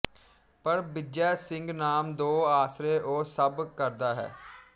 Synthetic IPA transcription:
pəɾbɪd͡ʒjɛːsɪŋɡnaːmd̪oːaːsɾeːʔoːsəbkəɾd̪aːɦɛ̰ː

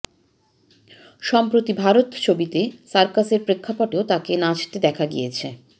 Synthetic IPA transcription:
ʃɔmpɾot̪ibʱaɾot̪t͡ɕʰobit̪esaɾkaseɾpɾekʰːapɔʈeot̪akenad͡ʑt̪ed̪ɛkʰaɡḭjet͡ɕʰe

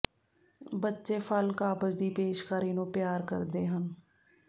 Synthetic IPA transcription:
bətːʃeːpʰəlkaːbəd͡ʒd̪iːpeːʃkaːɾiːnõːpjaːɾkə̰ɾd̪eːɦən

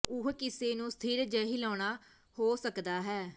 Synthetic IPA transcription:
ʊɦkɪseːnũːst̪ʰiːɾd͡ʒəɦiːlɔ̃ːɳ̃aː | hoːsəkd̪aːɦɛː

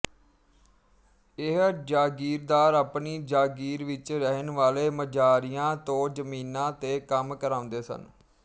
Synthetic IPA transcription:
ɪɦd͡ʒaːɡiːɾd̪aːɾaːpniːd͡ʒaːɡiːɾʋɪt͡ʃɾəɦənʋaːleːməd͡ʒaːɾijãːt̪õːd͡ʒəmiːnãːt̪eːkəmkəɾãːʊ̃nd̪eːsə̰n

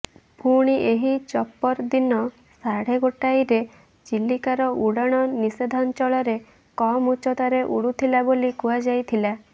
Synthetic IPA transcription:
bʱuɽ̃iʔeɦit͡ʃɔpːɔɾd̪inɔ | saɽ̤eɡoʈajɾe | d͡ʒilːikaɾɔʔuɽaɽ̃ɔnised̪ʱɔnt͡ʃɔɭɔɾe | kɔmut͡ʃɔt̪aɾeʔuɽut̪ʰilabolikuad͡ʒajt̪ʰila

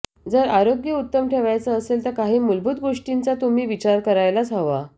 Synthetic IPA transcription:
d͡zəɾaɾoɡjəut̪ːəmʈʰeʋajt͡səəselt̪əɾkaɦiːmulbut̪ɡoʂʈint͡sat̪um̤iːʋit͡ɕaɾkəɾajlat͡səʋa

